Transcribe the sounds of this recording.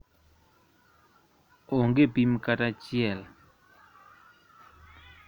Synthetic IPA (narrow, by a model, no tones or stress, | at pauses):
ʔoŋɡepimkaʈ͡ʂat͡ɕiɛl